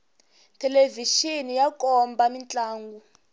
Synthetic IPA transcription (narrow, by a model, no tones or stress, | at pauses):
tʰɛleviʃinijakʼɔmbamint͡ɬʼaːŋɡu